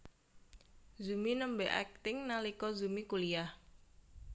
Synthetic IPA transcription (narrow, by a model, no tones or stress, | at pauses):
zuminəmbɛʔɛ̰k̚t̪ɪŋnalikɔzumikuliah